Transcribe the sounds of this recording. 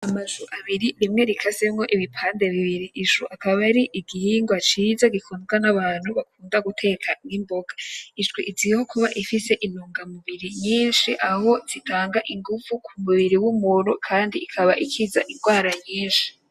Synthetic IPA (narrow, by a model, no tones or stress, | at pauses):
amazuʔaβiɾiɾimŋe̞ɾikʰasemŋo̞ʔiβipʰaːnde̞βiβiɾiʔːʃuʔakaβaɾiʔiɡihiːŋɡwat͡ʃiːzaɡikʰuːnzɡanaβaːn̥huβakuːndaɡutʰe̞kʰanimboɡaiʒɡwiʔiziho̞kuβaʔifise̞ʔinuːŋɡamuβiɾiɲiːnʃiʔaho̞z̥itʰaːŋɡaʔiŋɡuvukʰumuβiɾiwumuɾukʰaːndiːkʰaβaʔikʰizaʔinɡwaːɾaɲiːnʃi̥